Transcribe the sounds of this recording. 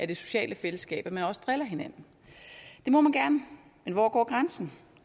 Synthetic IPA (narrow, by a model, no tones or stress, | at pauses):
ʔæɐd̥e̝so̝̥ɕɛ̰ːləfeləsɡ̥ɛ̰ːb̥æmænɒ̽sə̥d̥ʁelɐɦe̝næn̰n̩ | d̥e̝mɒ̽mænɡ̥æɐnə | menʋɒ̰ːɡ̥ɒ̰ːɡ̥ʁansn̩